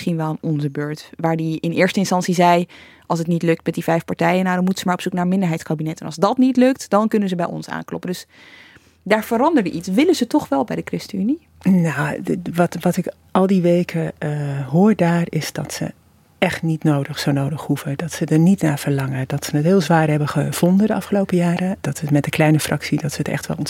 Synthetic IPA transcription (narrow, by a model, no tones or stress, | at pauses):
χinʋɛlˠanɔnzəbøːɹtʋaːɹdiɪnɪːɹstəɪnstɑntsizɛj | ʔɑlˠs̬ətnitlɵk̚tmɛtdivɛjfpaɹtɛjənaːdɑnmutəzəmaːɹɔpsuknaːɹmɪndəɹɦɛjtskabinɛtɛnɑlˠzdɑtnitlɵk̚td̥ɑnkɵnəzəbɛjɔ̰nsa̰ːnklɔ̰pəndɵs | daːɹv̥əɾɑndəɹdəʔitsʋɪlənzətɔχʋɛlˠbɛjdəkrɪstəyni | nawʋɑtʋɑtɪk | ɑlˠdiʋejkʰəɦoːɹdaːɹɪsdɑ̰tsə̰ | ɛχtnitnowdəχsownowdəχhuvədɑtsədəɹnitnaːv̥əɹlɑŋədɑtsənətɦɪːlˠzʋaːrɦɛbəχəv̥ɔndədəʔɑfχəlowpəjaːɾəd̥ɑtsəmɛt̚dəklɛjnəfrʔɑksidɑtsəətɛ̰χtʋɛ̰lˠɔn